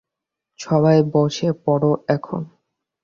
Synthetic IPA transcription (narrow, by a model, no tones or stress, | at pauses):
ʃɔβajbɔʃʰepɔɽoɛkʰo̰n